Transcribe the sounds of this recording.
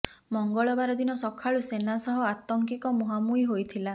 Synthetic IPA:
mɔŋɡɔɭɔbaɾɔd̪inɔsɔkʰaɭusenasɔɦɔat̪ɔŋkikɔmuɦamuiɦojt̪ʰila

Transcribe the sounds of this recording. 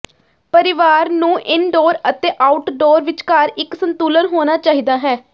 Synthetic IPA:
pəɾɪʋaːɾnũːʔɪnɖoːɾət̪eːʔaːʊʈɖoːɾʋɪt͡ʃkəɾɪksənt̪uːlənɦoːnaːt͡ʃaːɦiːd̪aːɦɛː

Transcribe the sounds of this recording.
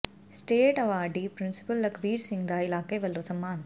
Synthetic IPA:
sʈeːʈɐʋaːɖipɾinsi̥pɐlːɐkʋiːɾsiŋd̪aːjilaːkeːʋɐlːoːsɐmːaːn

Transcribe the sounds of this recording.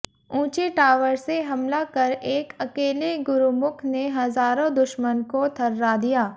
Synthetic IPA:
ũːt͡ʃeʈaːʋəɾseɦɐmlakɐɾeːkɐkeːleɡʊɾumʊkʰneɦɐzaːɾõd̪ʊʃmənkot̪ʰɐɾːad̪ijaː

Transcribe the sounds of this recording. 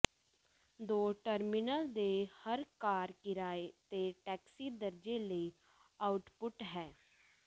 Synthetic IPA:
d̪oːʈəɾmɪnəld̪ehəɾkaːɾkɪɾaːet̪eʈɛːksiːd̪əɾd͡ʒeləi | aːʊʈpʊʈɦɛː

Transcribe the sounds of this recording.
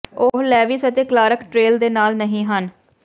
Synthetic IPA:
oɦlɛːʋiːsət̪eːklaːɾəkʈɾeːld̪eːnaːlnəɦĩːɦən

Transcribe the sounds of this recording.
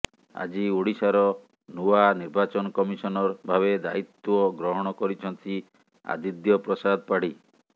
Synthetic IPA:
a̰d͡ʒioɽisaɾɔ | nuwaniɾbat͡ʃɔnɔkɔmisɔnɔɾbʱaβed̪ait̪ɔɡɾɔɦɔɽ̃ɔkɔɾit͡ʃʰɔnt̪ʰi | a̰d̪id̪jɔpɾɔsad̪ʱɔpaɽ̤i

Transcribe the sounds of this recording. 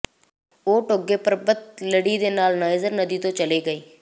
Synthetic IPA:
oːʈoɡeːpəɾbət̪ləɽiːd̪eːnaːlnaːɪzəɾnəd̪iːt̪õːt͡ʃəleːɡəiː

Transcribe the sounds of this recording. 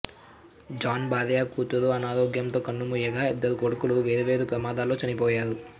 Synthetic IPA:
d͡ʒaːnbaːd̪ɐjaːkuːt̪ɐɾoːɐnaːɾoːɡjɐmt̪o̞ːkɐnːumuːjɐɡaːed̪ːɐɾukoɽukuluʋeːd̪ɐʋeːd̪upɾɐmaːd̪aːlːo̞ːt͡ʃɐnipɔːjaːɾu

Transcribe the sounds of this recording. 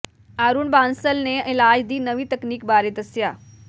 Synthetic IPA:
aɾuːɳbaːnsəlneɪlad͡ʑd̪iːnəʋiːt̪əkniːkbaːɾeːt̪əsja

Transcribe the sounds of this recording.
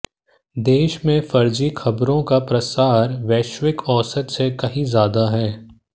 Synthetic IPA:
d̪eːʃmẽfɐɾd͡ʒixɐbɾõkapɾɐsaːɾʋɛːʃwɪkɔːsət̪sekɐɦĩzjaːd̪aɦɛː

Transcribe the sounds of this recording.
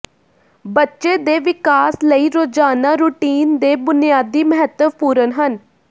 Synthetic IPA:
bətːʃeːd̪eːʋɪkaːsləiːɾoːd͡ʒaːnaːɾuːʈiːnd̪eːbʊnijaːd̪iːməɦət̪əʋpuːɾənɦən

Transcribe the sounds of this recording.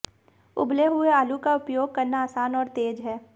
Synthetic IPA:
ʊ̰bleɦʊeaːlukaʊpjoːɡ̚kɐɾnaaːsaːnɔːɾt̪eːd͡ʒɦɛː

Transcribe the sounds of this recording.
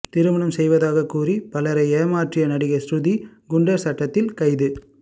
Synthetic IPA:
t̪ɪɾɯmɐɳɐmsɛjʋɐðaːɣɐkuːripɐlɐɾɐɪeːmaːʈrɪjɐnɐɽɪɣɐsɾʊðiɡʊɳɖɐɾsɐʈːɐt̪ːɪlkɐɪðɯ

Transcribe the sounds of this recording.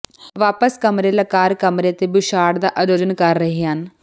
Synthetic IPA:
ʋaːpəskəmɾeːləkaːɾkəmɾeːt̪eːbɪʃaːɽd̪aːʔəɾoːd͡ʒənkəɾːəɦeːɦən

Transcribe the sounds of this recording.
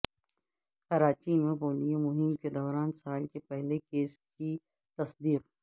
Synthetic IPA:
qɐɾaːt͡ʃimẽboːlijõmʊɦɪmked̪ɔːɾaːnsaːlkepɛɦlekeːski | t̪ɐsd̪iːq

